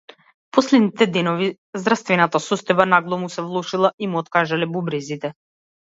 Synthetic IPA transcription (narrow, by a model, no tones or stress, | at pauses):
pɔslɛd̪nit̪ɛd̪ɛnɔvi | zd̪ɾafst̪vɛnat̪asɔst̪ɔjbanaɡlˠɔmusɛvlˠɔʃilˠaʔimuɔt̪kaʒalɛbubɾɛzit̪ɛ